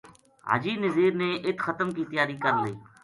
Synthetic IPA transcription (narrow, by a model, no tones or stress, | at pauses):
ɦa̰ːd͡ʒiːnəziːɾneːʔɪt̪xət̪əmkiːt̪ɪjaːɾiːkəɾliː